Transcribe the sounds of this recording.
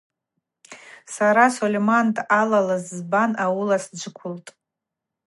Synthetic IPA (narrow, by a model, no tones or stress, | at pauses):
saɾasolʲemantʼalalazzbanawʊlasd͡ʒʷɨkʷʰʊltʼ